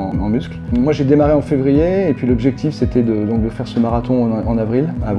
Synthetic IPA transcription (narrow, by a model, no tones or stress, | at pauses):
ɑ̃mysklmwaʒed̪emaʁeɑ̃fevʁijeːpɥilɔbʒɛk̚t̪ifset̪ɛd̪əd̪ɔ̃k̚d̪əfɛʁsəmaʁat̪ɔ̃ɑ̃navʁilav